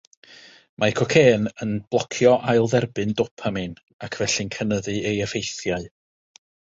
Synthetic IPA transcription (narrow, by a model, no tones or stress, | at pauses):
mʔakʰɔkʰeːnənb̥lˠɔkʰjɔʔajlˠðɛrbɨndɔpʰamɨn | akʰvɛɬɨnkʰənəðɨejəfejθjaɨ